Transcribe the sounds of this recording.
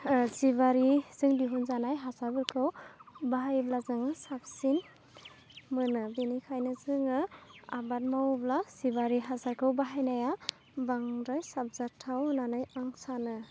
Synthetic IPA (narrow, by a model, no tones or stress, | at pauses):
ziβaɾiz̥ɯŋdiɦunzanajɦasabɯlkʰɯwbaɦajblazɯŋɯsap̚sin | mɯnɯbenikʰajnɯzɯŋɯa̰bat̚mawblasiβaɾiɦasakʰɯwbaɦajnaja | baŋɾajsap̚zatʰawnanajaŋsanɯ